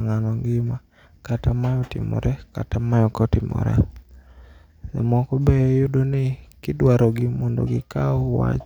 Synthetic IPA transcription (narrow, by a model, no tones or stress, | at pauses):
ŋanɔŋɡɪma | katamajɔtɪ̰mɔ̰ɾʔɛka̰tamajɔkɔtɪmɔ̰ɾɛ̰ | ɛ̰mɔkɔbɛjɔjʊdonɪkɪdwaɾɔɡɪmɔndo̰ɡɪkaɔwa̰t͡ʃ